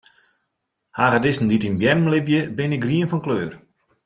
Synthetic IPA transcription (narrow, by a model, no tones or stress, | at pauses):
haːɣədɪsn̩ditinbjɛmm̩lɪbjəbɪnɪk̚ɡriənfɔnkløːr